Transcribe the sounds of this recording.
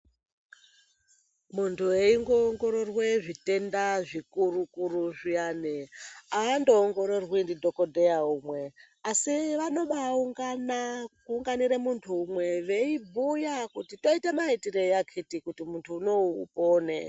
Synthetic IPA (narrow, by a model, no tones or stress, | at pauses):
muntʰueiŋɡoːŋɡo̞ɾo̞rweʐite̞ndaʐikurukuɾuʐianeaːndo̞ːŋɡo̞ɾo̞rwindidʱo̞ko̞dʱejaumwe̞ | asiʋano̞ɓauŋɡanakuːŋɡaniɾemuntʰuːmwe̞ʋe̞ibʱujakutito̞itemaitirejakʰitikutimuntʰuːno̞ṵpoːnḛ